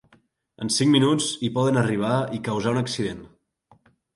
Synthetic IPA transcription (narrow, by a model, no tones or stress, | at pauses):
ə̰nsiŋminut͡sipɔðənəriβ̞aikəwzaunəksiðen